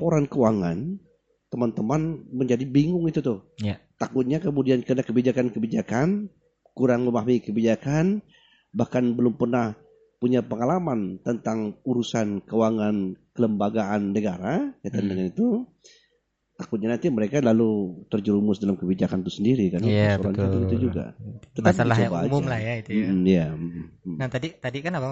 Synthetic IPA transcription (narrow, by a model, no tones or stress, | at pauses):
poɾankəwaŋan | t̪əmant̪əmanməɲd͡ʒadibiŋʊŋit̪ut̪ʊht̪akʊt̪̚ɲakəmudiankənakːəbid͡ʒakankəbid͡ʒakan | kuɾaŋməmaɦmikəbid͡ʒakan | bahkanbəlʊmpərnah | puɲapəŋalamant̪ənt̪aŋuɾusankəwaŋankələmbaɡaːnːəɡaɾakat̪andəŋanit̪u | t̪akʊt̪̚ɲanant̪iməɾekalalut̪ərd͡ʒəɾumʊsdalamkəbid͡ʒakant̪usəndiɾikarnasolanat̪uit̪ud͡ʒuɡa̰t̪ət̪apiəaubaulahjait̪m̩m̩jam̩at̪adit̪adikanapa